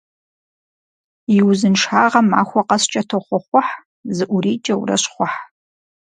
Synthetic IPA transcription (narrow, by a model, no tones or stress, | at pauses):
jɪwzɨnʂħaːʁɐma̰ːxʷɔqɐst͡ʃʼɐtʰoχʷɔχʷʊħ | zɨʔʷʊɾiːt͡ʃʼɐwṵrɐ̰ɕχʷɔħ